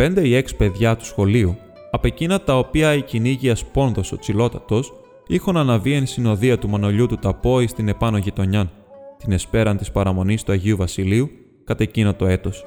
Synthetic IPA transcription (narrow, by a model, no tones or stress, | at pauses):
pe̞nd̪e̞ie̞kspe̞ðʝɐt̪u̥sxo̞liu | ɐpe̞cinɐt̪ɐo̞piɐiciniʝiɐspo̞nðo̞so̞t͡silo̞t̪ɐt̪o̞s | ixunɐnɐvie̞nsino̞ðiɐt̪umɐno̞ʎut̪ut̪ɐpo̞ist̪ine̞pɐno̞ʝit̪o̞ɲɐn | t̪inespe̞ɾɐnt̪ispɐɾɐmo̞nist̪uɐʝiuvɐsiliu | kɐt̪e̞cinot̪o̞e̞t̪o̞s